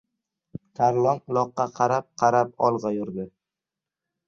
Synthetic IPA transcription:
t̪ʰaɾlˠɒlˠɒqːɑqʰɑɾap̚qʰɑɾap̚ɒlˠʁɑjʊɾd̪ɪ

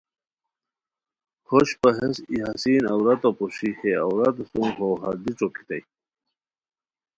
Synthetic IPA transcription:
hoɕpɐɦesiɦɐsiːnɐwɾɐt̪opoɕixeɐ̰wɾɐt̪suŋɦoːɦɐɾd̪it͡soki̥t̪ḛj

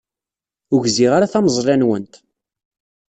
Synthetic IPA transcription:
ʊʝziʁaɾaθæməzˤlænwənt̪

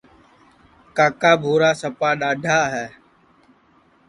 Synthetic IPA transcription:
kaːkaːbʱoːɾaːsəpaːɗaːɖʱaːɦɛː

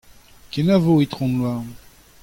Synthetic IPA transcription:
kenavoit̪χɔ̃nlwa

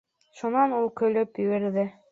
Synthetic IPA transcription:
ʃunɑnulˠkɵ̆lɵpjɵ̆ɡɘ̆ɾðɘ

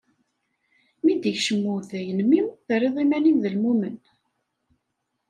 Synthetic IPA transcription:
mid̪içʃəmːuθæjənmiwθərːiðˤimæninðəlmumən

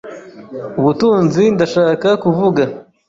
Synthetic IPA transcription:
wut̪unzind̪ɐʂakakuvuɡə

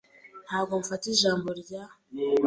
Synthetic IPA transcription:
n̥haːβɡo̞mufatiʒaːmbo̞ɾɟa

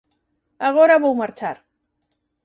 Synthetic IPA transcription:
aɣ̞oɾaβowmaɾt͡ʃaɾ

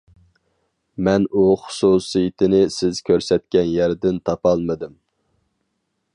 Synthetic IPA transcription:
mɛnuχʊ̥susɨjit̪ʰɪnɪsɪz̥kʲʰøɾsɛt̪̚kʲɛnjæɾd̪ɪnt̪ʰɑpɑlˠmɨd̪ɨm

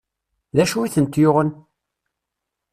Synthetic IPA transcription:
ðæʃuiθənt̪jʊʁən

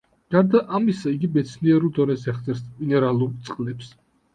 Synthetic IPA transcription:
ɡ̥aɾd̪aʔamisaiɡibɛt̪sʰniɛɾulˠd̪ɔnɛsɛχt̪sʼɛɾsminɛɾalˠuɾt̪sʼqʼlɛps

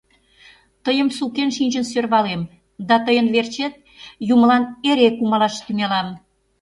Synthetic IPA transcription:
t̪əjəmsukenʃinʲʒənsørβɑlem | d̪ɑt̪əjənβert͡ɕet̪̚ | juməlɑneɾekumɑlɑʃt̪ynelɑm

